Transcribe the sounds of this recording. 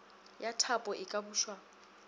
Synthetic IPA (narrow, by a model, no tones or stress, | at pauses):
jatʰapʼɔʔɪkʼabuːʃwa